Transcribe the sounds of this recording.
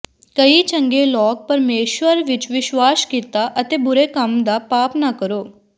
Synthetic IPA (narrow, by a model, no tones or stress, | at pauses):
kəit͡ʃə̃ŋɡelɔːk̚pɐɾmeːʃʋəɾʋɪt͡ʃʋɪʃʋaːskit̪aʔət̪ebʊɾekəmd̪apaːpnakəɾoː